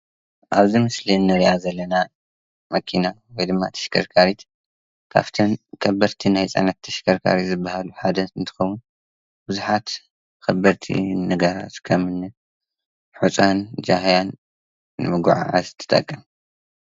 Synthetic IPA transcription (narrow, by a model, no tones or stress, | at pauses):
ʔaβzimɨslinːɨɾjazɐlːɐna | mɐkʰina | wɔjd̪ɨmːa̰t̪ʰɐ̥ʃkʰɐɾkʰaɾit̪ | kʰa̰ft̪ʰɐnkʰɐbːɐɾt̪ʰinajt͡sʼɐ̰nɐt̪ʰːɐʃkʰɐɾkʰa̰ɾizɨbːahaluħad̪ɐɨnt̪ʰɨ̥xɐwun | bɨzuħat̪ | kɐbːɐɾt̪ʰḭnɨɡaɾa̰t̪kʰɐmɨnːɨ | ħut͡sʼand͡ʒahjanː | ɨ̰mɨɡuʕa̰ʕa̰t̪ɨt̪ʰːɨ̥t̪ʼɐ̰kʼːɐm